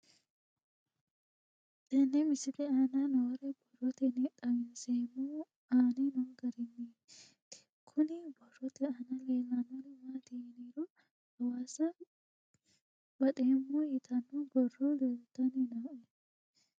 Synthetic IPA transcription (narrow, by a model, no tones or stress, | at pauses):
t̪ɐnːɛmɪsɪfɛaːnanowɾɛbɔrːɔt̪ɛnɛᶑ̪ʼɐmɪnseːmːuː | aːnenoːɡɐɾɛnːeː | t̪ɪ | kʰʊnɪbɔrːɔt̪ɛanaleːlːɐnonɪmaːt̪ɪniːɾu | hɐwaːsɐ | bɐᶑeːmːojɪt̪ʰɐnːubɔrːoleːlt̪ɐnɛnɐɛ